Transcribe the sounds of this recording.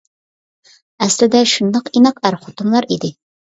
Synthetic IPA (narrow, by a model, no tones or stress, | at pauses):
ɛslɪd̪ɛʃund̪ɑqinɑqæɾχʊt̪umlˠɑɾid̪ɪ